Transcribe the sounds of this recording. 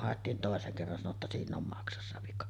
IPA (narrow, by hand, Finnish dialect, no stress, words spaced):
hɑˑetːiːn toˑeseŋ kerːɑn sɑno tːɑ siːnˑ om mɑksɑsːɑ ʋikɑ